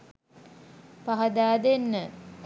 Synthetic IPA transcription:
paɦɐd̪aːd̪enːə

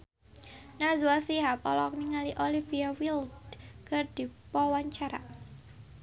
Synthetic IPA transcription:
nazuasiɦapɔlɔk̚niŋaliʔoliviawild̪kərd̪̥i̤pɔwaɲt͡ʃaɾa̰

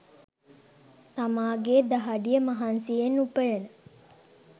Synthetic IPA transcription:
samaːɡeːd̪aɦaɖijəmaɦansijenːupəjənə

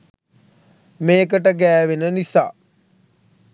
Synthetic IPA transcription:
meːkəʈəɡæːʋenənisa̰ː

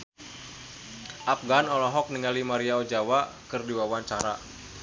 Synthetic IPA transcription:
ʔapɡanɔlɔɦɔk̚niŋalimaɾiaɔd͡ʒawakɨrdiwawaɲt͡ʃaɾa

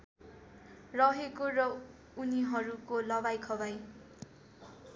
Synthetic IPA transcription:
rʌɦekorʌ | uniɦʌɾukolʌbajkʰʌbaj

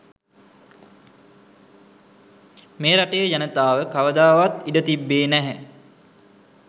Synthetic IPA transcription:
meːɾaʈəjəjanət̪aːʋəkaʋəd̪aːʋat̪iɖət̪ibːeːnæɦɛ

